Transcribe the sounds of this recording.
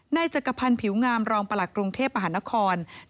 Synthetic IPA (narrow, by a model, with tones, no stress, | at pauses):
naː˧jt͡ɕa˨˩kːa˧pʰa˧npʰi˨˩˦wŋaː˧mɾɔː˧ŋpa˧la˨˩kɾu˧ŋt̪ʰeː˥˩p̚ma˧ɦa˩˦na˦˥kʰɔː˧n